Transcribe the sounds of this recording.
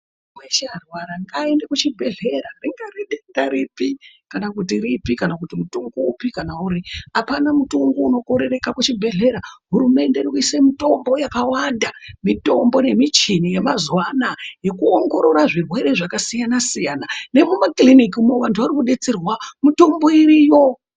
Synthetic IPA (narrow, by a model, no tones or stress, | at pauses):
mweʃarwaɾaŋɡaendekut͡ʃibʱe̞ɮe̞ɾariŋɡariɗendaɾipikanakutiripikanakutimutuŋɡoupikanauɾiapanamutoŋɡouno̞ko̞ɾe̞re̞kakut͡ʃibʱe̞ɮe̞ɾaɦuɾume̞nde̞rikuisemito̞mbo̞jakawandamito̞mbo̞ne̞mit͡ʃinije̞mazwanaje̞kuoŋɡo̞ɾo̞ɾaʐirwe̞ɾe̞ʐakasijanasijanane̞mumaklinik̬imoʋantʰuaɾikuɗe̞t͡serwamuto̞mbo̞iɾijo̞